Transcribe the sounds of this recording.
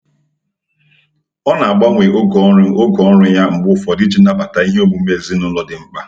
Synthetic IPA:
ɔ˦na˨a˨ɡ͡ba˦ŋʷe˨ʔo˦ɡɔ˨˦o˦ɡɔ˨˦n̩˦ɾʊ˦ja˦ŋ͡m̩˨ɡ͡bʊ˦fɔ˨dɪ˦d͡ʒi˦na˦k͡pa˨ta˨i˦ɦe˦o˦ɡ͡bu˨m̩˦e˦˨zi˦nʊ˦lɔ˨dɪ˨ŋ͡m̩˦k͡pa˦

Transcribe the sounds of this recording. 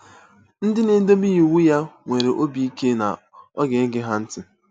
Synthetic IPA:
n̩˦dɪ˦ne˨˦do˦mi˦i˨wu˦ja˦ŋʷe˨ɾe˨ʔo˦bi˦i˦ke˦na̰˨ | ɔ˦ɡe˨˦ɡɪ˦ɦa˦n̩˦tɪ˦

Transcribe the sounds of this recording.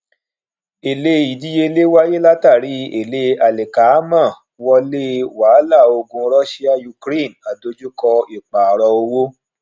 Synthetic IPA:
e˨le˧˦i˨di˦je˧le˦wa˦je˦la˦ta˦˨ɾi˨˦e˨le˦a˨le˨ka˨˦mã˦˨ | wɔ˧le˦waː˨˦la˦˨o˧ɡũ˧ɾɔ˦ʃi˦a˦ju˧kɾe˦˨na˨do˧d͡ʒu˦kɔ˧i˨k͡pa˨ɾɔ˧o˧wo˦

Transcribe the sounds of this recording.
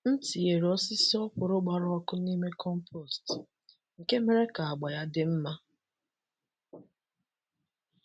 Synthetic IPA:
n̩˦ti˨e˨ɾɔ˦sɪ˦si˦ɔ˦pʊ˨ɾʊ˦ɡ͡ba˨ɾʊ˦ɔ˦kʊ˦ni˦me˦kʰɔ˦m˦pʰɔ˦˨st | ŋ̩˨ke˦me˦ɾe˦ka˨a˨ɡ͡ba˨ja˦dɪ˦m̩˦ma˦

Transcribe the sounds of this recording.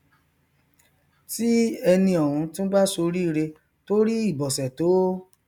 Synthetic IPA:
ti˦ɛ˧nĩ˧ɔ˨ɾũ˧tũ˦ba˦so˧ɾi˦˧ɾe˧ | to˦ɾi˦i˦˨bɔ˨sɛ˨to˨˦

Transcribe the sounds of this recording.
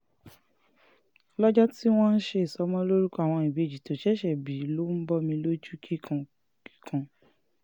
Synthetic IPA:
lɔ˦d͡ʒɔ˦ti˦w̃ɔ̃˦n̩˦ʃe˧i˨sɔ˨˧˦mɔ̃˦lo˦ɾu˦ka˨w̃ɔ̃˧i˨be˨d͡ʒi˨to˨ʃɛ˦ʃɛ˨bi˨˦lo˦n̩˦bɔ˦mĩ˧lo˦d͡ʒu˦ki˦kʰã˧ | ki̥˦kʰã˧

